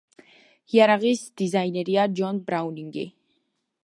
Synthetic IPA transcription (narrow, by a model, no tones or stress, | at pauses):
iaɾaʁisd̪̥izajnɛɾiad͡ʒɔnbɾawniŋɡḭ